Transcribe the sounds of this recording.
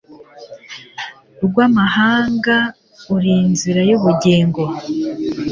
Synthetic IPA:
uɾɡwaːmahaːŋɡa | uɾinziɾajuβuɟeːŋɡo

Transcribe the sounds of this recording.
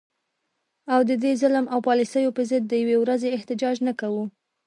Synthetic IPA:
awd̪əd̪ezɪləmawpɑlisəjopəzəd̪̚ːəjawewɾazeɪht̪ɪd͡ʒɑd͡ʒnakawu

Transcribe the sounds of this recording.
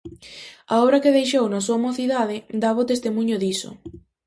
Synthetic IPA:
aɔβɾɐkeðejʃ̬ownasuamoθiðaðɪd̪aβʊt̪est̪imuɲʊðisʊ̰

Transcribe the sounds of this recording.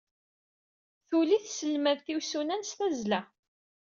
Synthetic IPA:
θuliθsəlmæðθiwsunænst̪æzlæ

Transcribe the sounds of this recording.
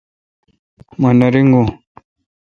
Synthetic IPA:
manaɾiŋɡo

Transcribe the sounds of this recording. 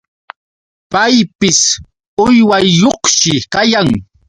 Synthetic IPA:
pajpɪs | ʊjwajːoχʃɪkajaŋ

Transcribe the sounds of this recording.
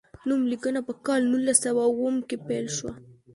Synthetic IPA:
numlikənapəkɑlnulːasawawəmkepelʃwa

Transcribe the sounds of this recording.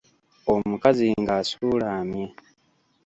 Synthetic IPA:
omukaziŋɡaːsuːlaːmje

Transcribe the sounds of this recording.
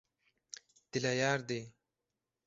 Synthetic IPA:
d̪̥ilajaːɾd̪e

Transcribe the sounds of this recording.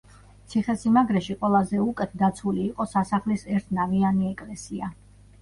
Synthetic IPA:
t̪sʰiχɛsimaɡɾɛʃiqʼwɛlˠazɛukʼɛt̪̚ʰd̪at̪sʰuliːqʼɔsasaχlisɛɾt̪ʰnavianiɛkʼlɛsia

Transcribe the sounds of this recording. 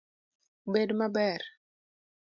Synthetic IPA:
bɛdmabɛɾ

